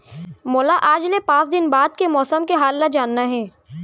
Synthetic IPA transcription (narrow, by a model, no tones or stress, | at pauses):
moːlaʔaːd͡ʒlepãːt͡ʃd̪ɪnbaːd̪̚kemɔːsəmkeɦaːlːad͡ʒaːnːaɦɛː